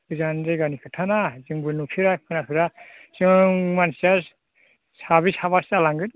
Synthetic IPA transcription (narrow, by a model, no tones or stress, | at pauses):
zanzeɡanikʰɯtʰanazɯŋbɯnupʰiɾakʰɯnakʰɯɾa | sɯŋmansas | saβisaβasalaŋɡɯt